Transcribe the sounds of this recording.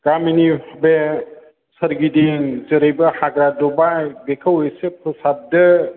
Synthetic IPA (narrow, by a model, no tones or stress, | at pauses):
ɡ̥aminibe | sɐɾɡideŋzɯɾɯjbɐhaɡɾadɔbajbekʰɐwesepʰɯsab̚dɯ